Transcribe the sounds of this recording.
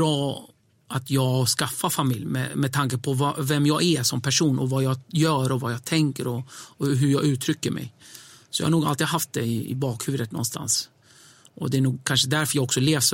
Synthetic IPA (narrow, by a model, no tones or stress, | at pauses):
ɾɑː | ʔat̪ʰjɑːɡskafːafamɪljmɛ̰mɛt̪ʰaŋkəpʰɔvavɛmjɑːɡæsɔmpʰæʂuːnʔɔvajɑːjœːɾɔvajɑt̪ʰɛŋkəɾɔɦɵɾjɑɡʉ̟ːt̪ʰɾʏkːəɾmɛ̰jsɔjɑ̰hanuːɡalt̪iːd̪ɦaft̪̚d̪ɛɪɪ̰bɑːkhʉ̟ːvəɾət̪̚nɔ̰nst̪ʰa̰ns | ʔɔd̪ɛænuːɡ̚kʰanʂəd̪æɾfœɾjaːɡɔksɔleːvs